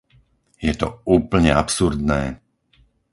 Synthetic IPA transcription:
jɛt̪ɔuːpl̩ɲɛapsuɾd̪nɛː

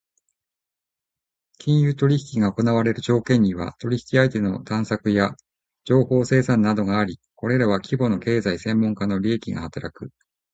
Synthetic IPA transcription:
kʲĩɰ̃jɯ̟ːt̪o̞ɾʲiçi̥kʲiɡao̞ko̞naβaɾe̞ɾɯ̟ʑo̞ːkẽ̞ɲ̟ːiβa̰t̪o̞ɾʲiçi̥kʲiait̪e̞no̞t̪ãɰ̃sakɯ̟ja | d͡ʑo̞ːho̞ːse̞ːsãnːad̪o̞ɡaːɾʲiko̞ɾe̞ɾaβ̞akʲibo̞no̞ke̞ːzaisẽ̞mːõ̞ŋkano̞ɾʲiekʲiɡa̰hat̪aɾakɯ̟

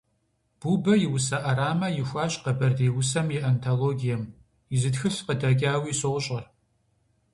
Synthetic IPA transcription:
b̥uːbɐjɪwʊsɐʔɐɾaːmɐjɪxʷaːɕqɐbɐrdeːwʊsɐmjiʔɐntʰoloːɡijɛm | jɪzɨtxɨɬqədɐɡʲʼaːwiːsowʊɕʼɐr

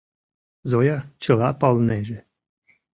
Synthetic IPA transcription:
zojɑt͡ɕɤ̆lˠɑpɑlˠneʒe

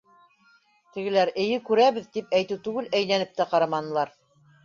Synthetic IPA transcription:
t̪ɘ̆ɡɘ̆læɾɘ̆jɘkʉɾæβɘðt̪ip̚æjt̪ɘwt̪ʉɡɘlæjlænɘp̚t̪æqɑɾɑmɑnɤ̆lˠɑɾ

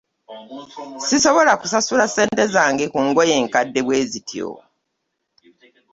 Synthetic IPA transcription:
siso̞βo̞lakusasulase̞ːnte̞zaːŋɡekuŋɡo̞je̞ːŋkadːe̞βwe̞ːzitjo̰

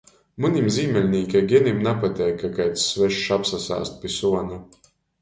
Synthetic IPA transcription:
munʲimziːmʲɛlʲnʲiːkʲajɡʲɛnʲimnapat̪ʲɛjkːakajt̪sːvɛʃʃapsasa̰ːst̪̚pʲisuɔnu

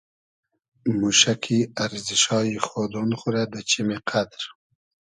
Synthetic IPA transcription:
muʃakʰiaɾziʃɑːjixod̪onχuɾad̪ət͡ʃimeqʰad̪ɾ

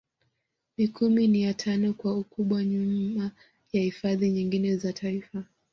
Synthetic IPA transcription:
mikuminijatʰanɔkwaukuɓwaɲuma | jahifaðiɲiŋɡinɛzatʰaifa

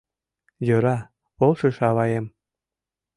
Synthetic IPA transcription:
jøɾɑ | olʃəʃɑβɑjem

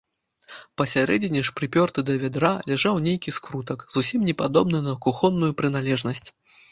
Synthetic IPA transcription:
pɐsʲaɾɛd͡zʲɛnʲiʂpɾɨpʲɔrt̪ɨd̪ɐvʲɛd̪ɾalʲɛʐawnʲejkʲiskɾut̪ɐkzusʲimnʲɛpad̪ɔbnɨnɐkuxɔnːujupɾɨn̪alʲɛʐnɐsʲt͡sʲ

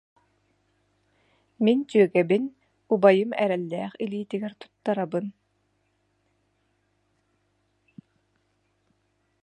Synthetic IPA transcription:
mint͡ɕyœɡɛbin | ubajɯmɛɾɛlːɛːχiliːt̪iɡɛɾt̪u̥t̪ːaɾabɯn

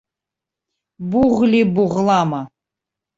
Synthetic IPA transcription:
buʁlibuʁlˠama

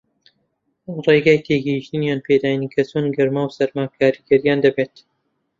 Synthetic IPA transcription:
reɡaːjt̪ʰeːɡɛhiʃt̪ɨnjaːnpʰeːd̪aːjnikʰɐsonɡɨɾmaːwsɐɾmaːkʰaːɾiɡɐɾijaːnd̪ɐbeːt̪

